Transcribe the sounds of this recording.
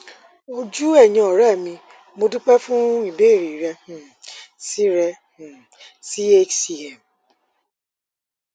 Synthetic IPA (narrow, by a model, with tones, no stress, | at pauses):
o˧d͡ʒu˦ɛ˦˨jĩ˧ɔ˨ɾɛ˦˨mĩ˧ | mo˧dũ˦k͡pɛ˦fũ˦i˦˨be˦˨ɾi˨ɾɛ˧h̩˨ | si˦ɾɛ˧h | si˦e˦t͡ʃsi˧˨ɛ˨m